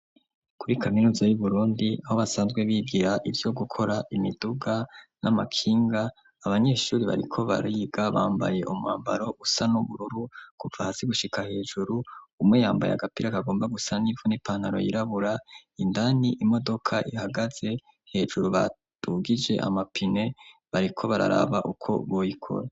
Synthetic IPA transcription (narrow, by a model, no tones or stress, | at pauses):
kuɾikʰaminuːzajuβuɾuːndiaho̞βasaːnzɡwe̞βiɡiɾaʔivjo̞ɡukʰo̞ɾaʔimiduɡanamakʰiːŋɡaː | βaɲe̞ːʃuːɾiβa̰ɾikʰo̞βa̰ɾiɡaβaːmba̰je̞ʔumŋaːmba̰ɾo̞ʔusanuβuɾuɾuɡ̥uvahazeɡuʃikʰahe̞ːd͡ʒuɾuumŋejaːmba̰ja̰ɡapiɾakaɡo̞ːmbaɡusanivonipan̥haɾo̞̰jiɾaβuɾaindaniʔimo̞do̞kʰaʔihaɡaz̥e̞ | he̞ːd͡ʒuɾuβa̰ | tuɡid͡ʒe̞̰ʔa̰mapʰine̞βaɾikʰo̞βaɾa̰ɾa̰βaʔukʰo̞̰βo̞jikʰo̰ɾa